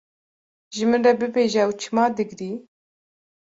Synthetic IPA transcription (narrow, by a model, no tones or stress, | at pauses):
ʒɨmɨnrɛbɨbeːʒɛɛwt͡ʃʰɨmɑːd̪ɨɡɾiː